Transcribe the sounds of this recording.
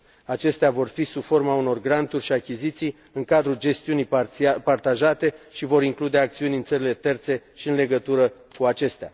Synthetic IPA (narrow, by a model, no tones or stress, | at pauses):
at͡ʃe̞st̪eavo̞rfisubfo̞rmauno̞rɡɾant̪urʲʃiakʲizit̪sij | ɨŋkad̪ɾud͡ʒe̞st̪iunijpart̪aʒat̪e̞ʃivo̞ɾiŋklud̪e̞ak̚t̪siunʲɨnt̪səɾile̞t̪e̞rt̪se̞ʃiɨnle̞ɡət̪uɾə | kuat͡ʃe̞st̪ea̰